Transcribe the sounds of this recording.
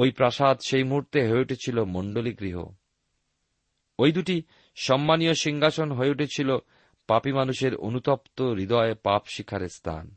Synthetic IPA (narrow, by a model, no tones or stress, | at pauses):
ojpɾaʃad̪ʃejmuɦuɾt̪eɦoeuʈʰet͡ɕʰilomɔɳɖoliɡɾiɦo̰ | ojd̪uʈi | ʃɔmːanioʃiŋɡʱaʃonɦoeuʈʰet͡ɕʰilo | papimanuʃeɾo̰nut̪ɔpt̪oɾid̪ɔepapʃikʰːaɾest̪ʰa̰n